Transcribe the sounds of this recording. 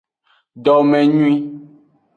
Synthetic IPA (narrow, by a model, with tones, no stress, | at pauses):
ɖɔ˨mɛ̃˨ɲũ˦ĩ˦